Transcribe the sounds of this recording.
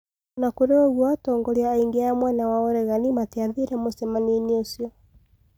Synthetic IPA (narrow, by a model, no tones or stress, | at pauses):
nakoɾeoɣwatɔŋɡɔɾiaiŋɡeaamwanawaoɾɛɣanimateaðiɾɛmosɛmaniniosjɔ